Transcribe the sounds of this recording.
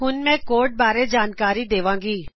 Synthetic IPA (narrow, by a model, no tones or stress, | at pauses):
ɦʊnmɛ̃ːkoːɾʈ̚baːɾed͡ʒaːnkaːɾid̪eːʋãːŋɡiː